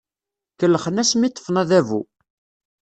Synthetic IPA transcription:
kəlːəχənæsmit̪ːə̥fnæðævṵ

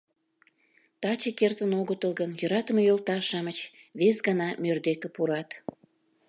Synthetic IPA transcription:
t̪ɑt͡ɕekert̪ənoɣət̪əlˠɣənjø̆ɾɑt̪əmejolt̪ɑrʃɑmət͡ɕβesɡɑnɑmørd̪ekepuɾɑt̪

